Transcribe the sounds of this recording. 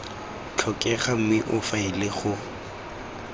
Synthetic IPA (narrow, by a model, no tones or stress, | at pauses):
t͡ɬʰɔkʼɛχam̩wɪʔʊfaɪlɪχʊ